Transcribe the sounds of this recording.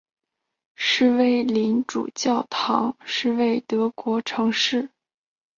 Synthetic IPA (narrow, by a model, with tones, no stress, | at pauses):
ʂɻ̩˥˧we˥˩ɪli˧˥nʈ͡ʂṵ˨˩t͡ɕjɑ˥˩ʊt̪ʰɑ˧˥ŋʂɻ̩˥˧we˥˩ɪt̪ɤ˧˥kwɔ˧˥ʈ͡ʂʰɤ˧˥ŋʂɻ̩˥˩